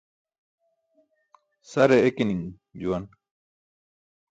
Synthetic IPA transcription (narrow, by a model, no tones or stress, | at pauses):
sɐɾeekiniŋ | d͡ʑuwɐn